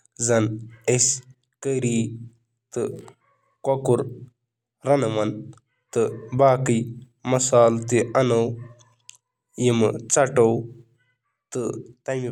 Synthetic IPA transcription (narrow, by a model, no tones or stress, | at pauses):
zɐnes | kəɾiː | t̪ɨ | kɐkuɾ | ɾɐnɐʋɐn | t̪ɨbaːkɨ | mɐsaːlt̪iʔɐnɐw | jimɨt͡sɐʈow | t̪ɨt̪ɐmi